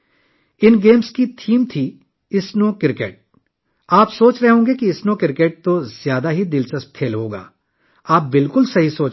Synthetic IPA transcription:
ɪnɡeːmskit̪ʰiːmt̪ʰi | ɪsnõːkɪɾkeːʈ̚ | aːpsoːt͡ʃɾɐɦɦõːɡekiɪsnõkɪɾkeːʈ̚t̪ozjaːd̪aɦid̪ɪlsɐst̪ʰeːlɦoːɡa̰ː | aːp̚bɪlkʊlsɐɦisoːt͡ʃ

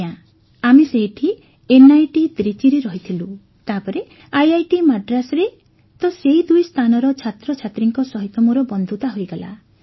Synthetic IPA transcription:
a | amiseɦiʈʰi | enajʈid̪ɾit͡ʃiɾiɾɔɦit̪ʰilu | t̪apɔɾe | ajajʈimaɖɾasɔɾe | t̪ɔseɦid̪ujst̪ʰanɔɾɔt͡ʃʰat̪ɾɔt͡ʃʰat̪ɾiŋkɔsɔɦit̪ɔmuɾɔbɔnd̪ʱut̪aɦojɡala̰

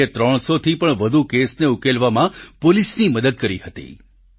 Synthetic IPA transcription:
et̪ɾəɳ̃sot̪ʰipəɳʋəd̪ʱukesneukelʋamãpolisniməd̪əd̪̚kəɾiɦət̪ḭ

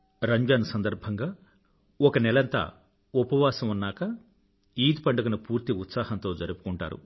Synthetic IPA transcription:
ɾɐɲd͡ʒɐnsɐnd̪ɐɾbʱɐŋɡaː | ɔkɐnɛlɐnt̪a̰ | upɐʋaːsɐmunːaːkɐ | iːd̪ipɐɳɖɐɡɐnupuːɾt̪iut̪saːhɐnt̪o̞ːd͡ʒɐɾupu̥kuɳʈa̰ːɾṵ

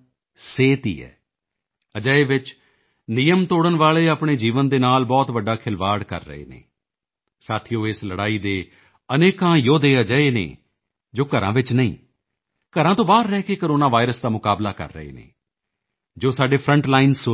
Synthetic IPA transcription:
seːt̪ḭːɛ̰ː | əd͡ʒəːeːʋɪt͡ʃ | nɪjəmt̪oːɽənʋaːɭeːaːpɳeːd͡ʒiːʋənd̪eːnaːlbɔːt̪ʋəɖːaːkʰɪlʋaːɽkə̰ɾːə̰ḛːnḛː | saːt̪ʰijõːesləɽaːiːd̪eː | əneːkãːjoːd̪eːaːd͡ʒaːeːnḛː | d͡ʒoːkəɾã̰ːʋɪt͡ʃnəḭ̃ː | kəɾãːt̪õːbaːɾːɛːkeːkoːɾoːnaːʋaːɪɾəsd̪aːmʊkaːblaːkə̰ɾːə̰ɦḛːnḛː | d͡ʒoːsaːɖeːpʰɾə̃ɳʈlaːɪns

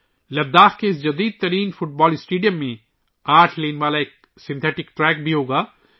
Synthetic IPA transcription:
lɐd̪ːaːxkesd͡ʒɐd̪iːd̪̚t̪ɐɾiːnfʊʈ̚bɔːlɪsʈeːɖjəmːẽ | aːɾʈʰleːneʋaːlaeːk̚ | sɪ̃nt̪ʰɛːʈɪkʈɾɛːk̚bʱiɦoːɡaː

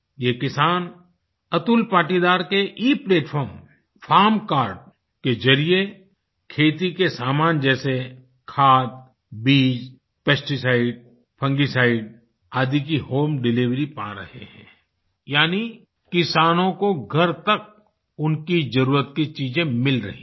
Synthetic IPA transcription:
jeːkɪsaːn | ɐt̪ʊlpaːʈid̪aːɾkeʔiːpleːʈfʰɔːɾm | fʰaːɾmkaːɾɖ | ked͡ʒɐɾie | kʰeːt̪ikesaːmaːnd͡ʒɛːse | kʰaːt̪̚ | biːd͡ʒ | pɛsʈisaːɪɖ̚ | pʰə̃ŋɡisaːɪɖ | aːd̪ikiɦoːmɖɪliʋɾipa̰ɾɐ̰hḛɦɛ̃ː | jaːni | kɪsaːnõkoɡʱɐɾt̪ɐk̚ | ʊnkid͡ʒɐɾuːɾət̪̚kit͡ʃiːd͡ʒẽmɪlɾɐ̰ɦḭ̃

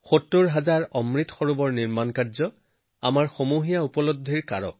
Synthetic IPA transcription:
xotːoɹɦazaɹɔmɹitxɔɹubɔɹniɹmankaɹzɔ | a̰maɹxomuɦijaupɔlodʱiɹka̰ɹɔ̰

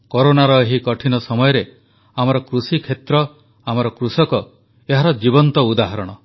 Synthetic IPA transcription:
kɔɾonaɾɔeɦikɔʈʰinɔsɔmɔjɔɾe | amɔɾɔkɾusikʰet̪ɾɔ | amɔɾɔkɾusɔkɔ | eɦaɾɔd͡ʒibɔnt̪ɔud̪aɦaɾɔɽ̃ɔ

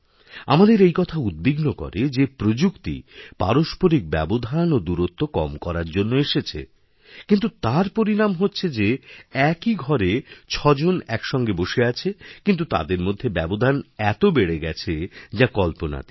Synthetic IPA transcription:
a̰mad̪eɾejkɔt̪ʰaud̪̚biɡnokɔ̰ɾed͡ʑepɾod͡ʑukt̪ḭpa̰ɾoʃpoɾik̚bɛ̰bod̪ʱanod̪uɾot̪ːokɔ̰mkɔɾaɾd͡ʑonːoeʃet͡ɕʰḛ | kint̪̬ut̪aɾpoɾinamɦotːɕʰed͡ʑeɛkiɡʱɔɾet͡ɕʰɔd͡ʑonɛkʃɔŋɡeboʃeat͡ɕʰekint̪̬ut̪a̰d̪eɾmod̪ʱːebɛbod̪ʱanɛt̪obeɽeɡɛt͡ɕʰed͡ʑakɔlpona̰t̪i̥

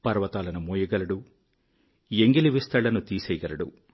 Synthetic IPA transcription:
pɐɾʋɐt̪aːlɐnumuːjɐɡɐlɐɽu | jeŋɡiliʋist̪ɐɭːɐnut̪iːsɛjɡɐɾɐɽṵ

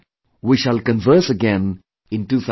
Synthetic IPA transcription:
wiʃəlkə̃nvəɾsəɡɛ̃n | ɪ̃nʈuːt̪ʰ

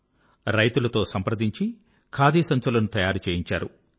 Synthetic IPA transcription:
ɾɐjt̪ulɐt̪o̞ːsɐmpɾɐd̪iɲt͡ʃi | kʰaːd̪iːsɐnt͡ʃulɐnut̪ɐjaːɾut͡ʃeːjiɲt͡ʃaːɾu

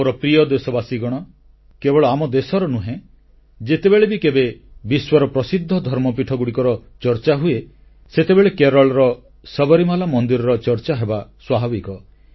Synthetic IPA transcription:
oɾɔpɾijɔd̪esɔbasiɡɔɽ̃ɔ | kebɔɭɔamɔd̪esɔɾɔnuɦẽ | d͡ʒet̪ebeɭebikebebiswɔɾɔpɾɔsid̪ʱːɔd̪ʱɔɾmɔpiʈʰɔɡuɽikɔɾɔt͡ʃɔɾt͡ʃaɦue | set̪ebeɭekeɾɔɭɾɔ | sɔbɔɾimalamɔnd̪iɾɔɾɔt͡ʃɔɾt͡ʃaɦebaswabʱabikɔ

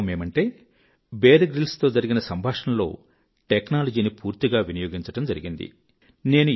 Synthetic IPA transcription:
me̞ːmɐɳʈe̞ː | beːɾɡɾilst̪o̞ːd͡ʒɐɾiɡinɐsɐmbʱaːʂɐmlo̞̰ː | ʈeknaːlɐd͡ʒiːnipuːɾt̪iɡaːʋinɐjo̞ːɡiɲt͡ʃɐʈɐmd͡ʒɐɾiɡind̪ḭ | ne̞ːnu

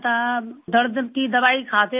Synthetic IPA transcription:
t̪ad̪əɾd̪kid̪ɐʋaːikʰaːt̪e

